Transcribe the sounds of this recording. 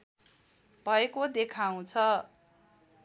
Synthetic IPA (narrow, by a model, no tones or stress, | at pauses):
b̥ʱʌekod̪ekʰaũt͡sʰʌ